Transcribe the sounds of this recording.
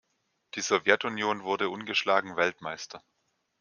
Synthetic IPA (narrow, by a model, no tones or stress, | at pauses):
d̥iːzovjɛtunjoːnvʊɐdəʔʊnɡəʃlaːɡŋ̩vɛltmaɪstʰɐ